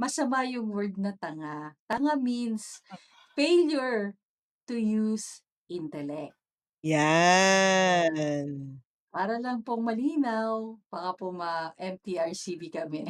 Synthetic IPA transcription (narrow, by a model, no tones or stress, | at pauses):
mɐsɐmajʊŋwɛɹd̪̚nɐt̪ɐŋat̪ɐŋamins | fejljʊɹ | t̪ʊjus | ʔɪnt̪ɛlɛk̚t̪̚ | ja | paːɾɐlɐŋpoŋmɐliːnawb̥akɐpoŋmɐʔɛmt̪iʔaɹsivikɐmɛ